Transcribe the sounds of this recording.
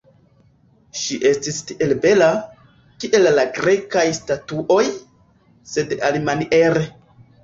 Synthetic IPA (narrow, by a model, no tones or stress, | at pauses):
ʃiʔe̞stistiʔelbe̞la | kiʔe̞lːaɡɾe̞kajstatuʔo̞j | se̞dalimaniʔe̞ɾe